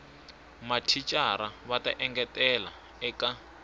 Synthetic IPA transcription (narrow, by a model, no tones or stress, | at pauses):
matʰit͡ʃʼaɾaβatʼa̰ʔɛŋɡɛtʼɛla | ɛka